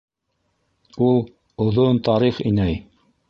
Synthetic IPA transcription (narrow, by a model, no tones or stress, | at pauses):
ulˠ | ŏðont̪ɑɾiχinæj